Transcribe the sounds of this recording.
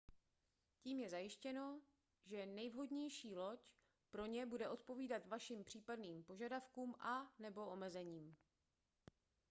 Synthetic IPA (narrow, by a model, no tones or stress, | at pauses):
ciːmjɛzajɪʃcɛno̞ | ʒɛnɛjvɦo̞dɲɛjʃiːlo̞c | pɾo̞ɲɛbudɛʔo̞t̪̚po̞viːdat̪vaʃimpr̝̥iːpadniːmpoʒadafkuːmʔanɛbo̞ʔo̞mɛzɛɲiːm